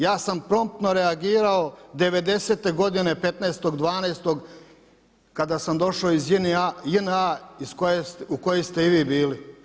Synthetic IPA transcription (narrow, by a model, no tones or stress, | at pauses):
jaːsampɾo̞mp̚t̪noɾeaɡiːɾao̞d̪e̞ʋe̞d̪e̞se̞ːt̪e̞ɡo̞d̪inepe̞t̪neest̪o̞ɡd̪ʋaːneːst̪oɡ | kad̪asamd̪o̞ʃaoizjinajinaiskojesuko̞jest̪e̞iʋiːbiːli